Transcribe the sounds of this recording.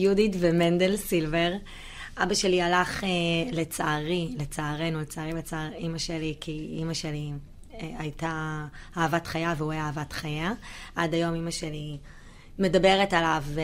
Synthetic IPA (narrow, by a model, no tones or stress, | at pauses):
juditvemend̪elsilve̞ʁ | ʔabaʃe̞lialaχele̞t͡saːʁilet͡saːʁenulet͡saːʁibet͡saʁimaʃelikiḭmaʃeli | eajtahaːvatχajaveueaːvatχajaʔadajo̞mimaʃeli | me̞dabe̞ʁetalavː